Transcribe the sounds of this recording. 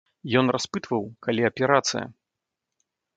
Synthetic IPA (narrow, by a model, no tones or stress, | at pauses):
jɔnraspɨt̪vɐwkalʲiɐpʲɛɾat̪sɨ̰jɐ̰